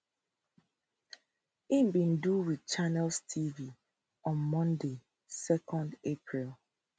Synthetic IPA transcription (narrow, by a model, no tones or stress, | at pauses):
imbĩnduwidt͡ʃanɛlstʰivi | ɔ̃nmɔ̃nde | sɛkʰɔ̃ndepʰɹilˠ